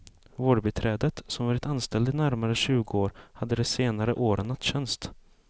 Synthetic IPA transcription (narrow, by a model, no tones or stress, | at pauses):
voːɖbɛt̪ʰɾɛːd̪ət̪sɔmvɑːɾɪt̪anst̪ɛld̪əɪnæɾmaɾəɕʉ̟ːɡəoːɾhad̪ːəd̪ɛseːnaɾə̰ʔoːɾənːat̪ːɕɛnst̪